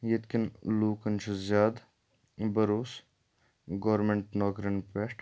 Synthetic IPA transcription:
jet̪kinluːkɐnt͡ʃʰɐzjaːd̪ | bɐɾoːs | ɡoːɾmeɳʈnɔːkɾɐnpeʈ

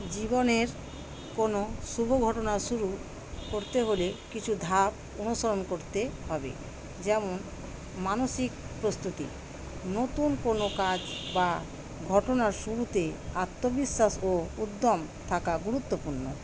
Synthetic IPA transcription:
d͡ʑiboneɾ | konoʃubʱoɡʱɔʈonaʃuɾu | koɾt̪eɦolekit͡ɕʰud̪ʱap | onuʃoɾonkoɾt̪eɦɔbḛ | d͡ʑɛmon | manoʃikpɾost̪ut̪ḭ | not̪unkonokad͡ʑba | ɡʱɔʈonaɾʃuɾut̪eat̪ːobiʃːasoud̪ːomt̪ʰakaɡuɾut̪ːopuɾno̰

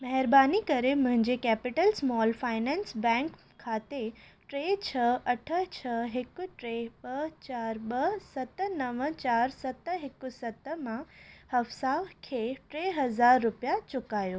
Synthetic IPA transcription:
mɐɦɪɾbaːnikɐɾemʊ̃ɦɪ̃ɲd͡ʑekɛːpɪʈəlsmɔːlfaːɪnɛ̃ːnsbɛ̃ːŋkʰːaːt̪eʈɾeːt͡ɕʰɐɐʈʰə̆t͡ɕʰɐɦɪkʊ̆ʈɾeɓɐt͡ɕaːɾɓɐsɐt̪ə̆nɐʋət͡ɕaːɾsɐt̪ɦɪkʊsɐt̪əmãhɐfsakʰeʈɾeːɦɐzaːɾːʊpijat͡ɕʊkaːjoː

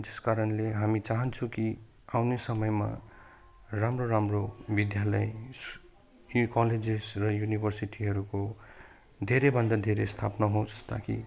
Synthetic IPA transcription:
d͡zeskaɾʌnleɦamit͡saɦʌnt͡sʰũki | awnesʌmʌjma̰ | ramroɾamrobid̪jalʌjs | kʌled͡zesrʌjunibʱʌrsiʈiɦʌɾuko | d̪ʱeɾebʱʌnd̪ad̪ʱeɾest̪ʰa̰pnʌɦõst̪a̰kḭ

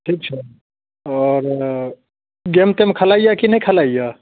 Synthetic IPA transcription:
ʈʰiːk̚t͡ʃʰɛ | ɔɾ | ɡemt̪emekʰəlajakinəjkʰəlajja

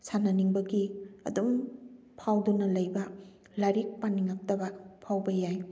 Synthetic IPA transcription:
sanɐniŋbɐɡiɐ̰dum | pʰawdunɐlɐjbɐ | laɾik̚paniŋak̚tɐbɐpʰawbɐjaj

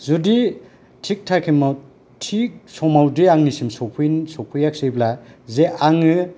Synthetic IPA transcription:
zudi | tʰik̚tʰakʰima | tʰik̚sɔmawdiaŋnisimsɔpʰujnsɔpʰujak̚siblazeʔaŋɯ

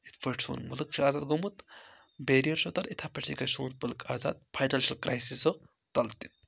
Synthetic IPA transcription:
it̪ʰfʰɐɾʈsṵːnmulɨkt͡ʃʰiaːzaːd̪ɡomut̪ | beːɾijɐɾʃot̪ɐɾit̪ʰapɐt͡ʃʰikɐsuːnpɐlɨkʰaːza̰ːd̪̚pʰajʈɐlʃilkɾʔajsiso | t̪ɐlt̪i

